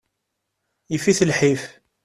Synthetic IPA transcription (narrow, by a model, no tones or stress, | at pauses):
jifiθəlħif